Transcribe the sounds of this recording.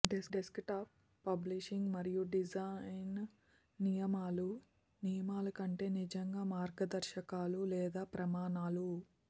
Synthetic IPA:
ɖesɖeskʈaːpː | ɐbliʃiŋɡmɐɾijuɖid͡ʒanː | ijɐmaːlu | nijɐmaːlɐkɐɳʈe̞ːnid͡ʒɐŋɡaːmaːɾɡɐd̪ɐɾʃɐkaːlulɛːd̪aːpɾɐmaːnaːlu

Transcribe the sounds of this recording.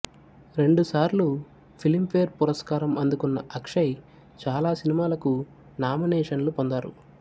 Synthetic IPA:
ɾe̞ɳɖusaːɾlu | pʰilimpʰeːɾpuɾɐskaːɾɐmɐnd̪ukunːɐ̰ʔɐkʂɐj | t͡ʃaːlaːsinimaːlɐku | naːminɛːʂɐnlupond̪aːɾṵ

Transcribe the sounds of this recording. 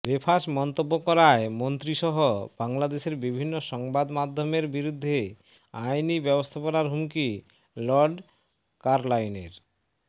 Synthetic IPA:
bepʰaʃmɔnt̪obːokɔɾaemont̪ɾiʃɔɦob̥aŋlad̪eʃeɾbibʱinːoʃɔŋbad̪mad̪ʱːomeɾbiɾud̪ʱːe | ajnibɛbost̪ʰaponaɾɦumki | lɔɾɖ | kaɾlajneɾ

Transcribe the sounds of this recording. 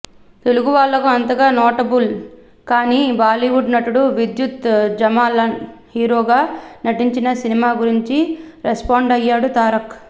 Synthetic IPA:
t̪e̞luɡuʋaːɭːɐkuɐnt̪ɐɡaːnoːʈɐbul | kaːniːbaːliʋuɖnɐʈuɽuʋid̪jut̪d͡ʒɐmaːlɐhiːɾoːɡaːnɐʈiɲt͡ʃinɐsinimaːɡuɾiɲt͡ʃi | ɾespaːɳɖɐjːaːɽut̪aːɾɐk

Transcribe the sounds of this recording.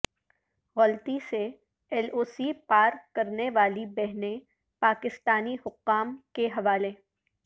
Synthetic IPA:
ɣɔlt̪ise | ɛloːsipaːɾkɐɾneʋaːlibɛɦnẽ | paːkɪst̪aːnihʊqːaːmkeɦɐʋaːleː

